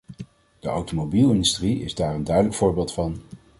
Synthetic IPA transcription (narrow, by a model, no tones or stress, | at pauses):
d̥əʔa̰wtomobilˠɪndystriɪ̰zdaːrəndœɥdələkfʊːɹbeːlˠtfɑn